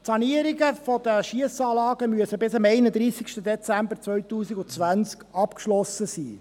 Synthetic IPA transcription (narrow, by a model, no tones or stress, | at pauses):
tsɑniəɾiɡəfɔd̪əʃiəsɑːlɑːɡəmyəsəbɪsɑmɛɪnəd̪ɾiːsikʃtəd̪ɛt͡sæmbəɾt͡sʋœɥtuːsiɡʊt͡sʋænt͡skɑpkʃlɔsəsiː